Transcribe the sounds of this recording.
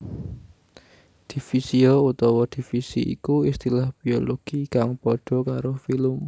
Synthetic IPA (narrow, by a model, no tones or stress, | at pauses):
d̪̥i̤fisiout̪ɔwɔd̪̥i̤fisḭḭkuist̪ilahb̥ioloɡ̥ikaŋpɔɖ̪̥ɔ̤kaɾofilʊm